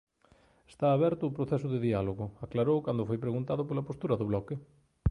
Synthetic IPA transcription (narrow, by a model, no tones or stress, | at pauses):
e̥st̪aːβɛɾt̪ʊːpɾoθɛs̬ʊðɪðialoɣʊaklaɾowkand̪ʊfojpɾeɣunt̪aðʊpolapost̪uɾɐðʊβlɔkɪ